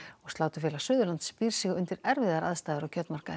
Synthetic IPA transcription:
ɔɣst̪laːwt̪ʏfjɛːlasʏːðʏlant̪spiːɾ̥siɣʏnt̪ɪɾɛɾvɪðaɾaðst̪ajðɪɾacʰœp̪nmaɾ̥ka

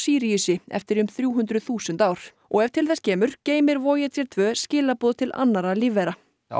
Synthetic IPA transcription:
siːɾisɪɛ̰ft̪ɪɾʏmθɾjuːɦʏnd̪ɾʏθuːsʏnt̪aːwɾ̥ | ʔɔɣɛvt̪ʰɪlθɛscɛːmʏɾ̥ceːjmɪɾvɔːjɪt̪ɛɾt̪ʰvœːscɪːlapɔːðt̪ʰɪlʔa̰nːaɾaliːvɛɾa

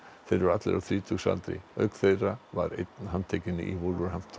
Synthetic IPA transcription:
fɛɾʏɾat̪lɛ̰ɾʔawθɾiːt̪ʰuksa̰lt̪ɾɪ̰œ̰kθejrava̰ɾḛt̪nɦanːt̪ʰeːcɪnɪ̰ʔivʊlvʏɾhamft̪ʰ

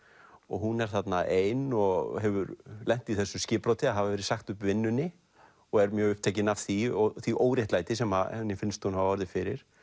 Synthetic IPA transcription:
ɔ̰ɣɦunɛɾ̥θat̪naʔeːjnɔɣɦɛvʏɾlɛn̥t̪iθɛsːʏscɪːpɾot̪ɪaɦavavɛɾɪ̥saxt̪ʏpvɪnːʏnɪ | ɔɣɛɾmjœːɣʏhp̚t̪ʰeːcɪnav̥θiɔθiʔoːwɾɪht̪laːjt̪ɪsɛma̰ɛnːɪfɪnst̪hunhavaɔɾðɪfɪɾɪɾ̥

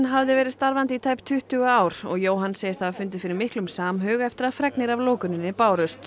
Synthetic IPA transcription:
nɦavðɪvɛːɾɪðst̪aɾvant̪it̪ʰaːjpt̪ʰʏht̪ʏɣʏaːwɾ̥ɔ̰ɣjoːwɦanːseːjɪst̪θaafʏnt̪̬ɪ̥fɪːɾɪmɪhklʏmsaːmɦœːɣɛft̪ɪɾaðfɾɛknɪɾavloːkʏnɪnːɪpaːwɾœst̪

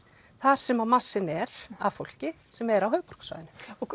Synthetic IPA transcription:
θaɾ̥sɛmamasːɪnɛɾ̥a̰ðfowl̥cɪsɛmaɛɾawɦœːvpɔ̥r̥ksva̰ːjðɪnʏ̥ɔk

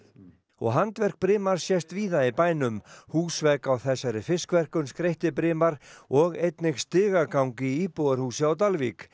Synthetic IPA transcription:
ɔ̰ɣɦant̪vɛr̥k̚pɾɪːmaɾ̥sjɛst̪viːðaipaːjnʏmhuːsvɛkawθɛsːaɾɪfɪskvɛr̥kʏnskɾejht̪ɪpɾɪːmaɾ̥ɔɣejt̪nɪxst̪ɪːɣakawŋcɪiːpoðaɾ̥huːsjawt̪alvik

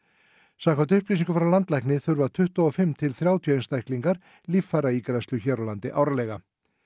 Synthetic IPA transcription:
sakʰvant̪̬ʏhpliːsiŋkʏfɾawlant̪lajknɪθʏɾvat̪ʰʏht̪ɔɔfɪmt̪ʰɪlθɾjaːwt̪ʰjejnst̪ajhkliŋkaɾ̥ | liffaɾaiːkɾast̪ʏçɛɾalant̪ɪʔawɾalɛɣa

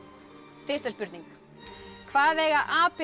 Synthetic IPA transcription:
fɪst̪aspʏɾt̪niŋk | kʰvaːðɛɣaðʔaːpɛ

